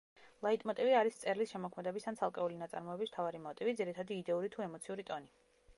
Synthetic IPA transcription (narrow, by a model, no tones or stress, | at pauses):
lˠait̪ʼmɔt̪ʼiviaɾist̪sʼɛɾlisʃɛmɔkʰmɛd̪ɛbisant̪ʰalˠkʼɛulinat̪sʼa̰ɾmɔɛbism̥t̪ʰavaɾimɔt̪ʼivid̪ziɾit̪ʰad̪iːd̪ɛuɾit̪ʰuɛmɔt̪sʰiuɾit̪ʼɔni